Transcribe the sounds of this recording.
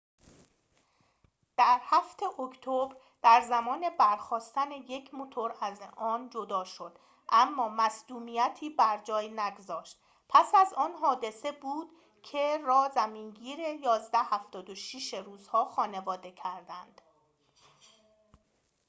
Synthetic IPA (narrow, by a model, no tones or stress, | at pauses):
d̪̥æɾhæft̪ʰe̞ʔocʰt̪ʰobɾ | d̪̥æɾzæmɒːne̞bæɾxɒːst̪æneje̞cʰmo̞t̪ʰo̞ɾæzɒːnd͡ʒo̞d̪ɒːʃo̞d̪̥ | ʔæmːɒːmæsd̪uːmijæt̪ʰiːbæɾd͡ʒɒːjnæɡozɒːʃt̪ | pʰæsæzɒːnɦɒːd̪e̞se̞buːd̪̥ | cʰe̞ɾɒːzæmiːŋɡiːɾe̞jɒːzd̪æhæft̪ɒːd̪oʃiʃeɾuːzhɒːxɒːne̞vɒːd̪e̞cʰæɾd̪ænd̪̥